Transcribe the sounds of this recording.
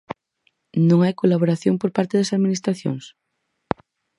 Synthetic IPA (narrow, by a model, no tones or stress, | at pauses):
nõŋajkolaβoɾaθjoŋpoɾpaɾt̪eðɐsaðminist̪ɾaθjo̰ŋs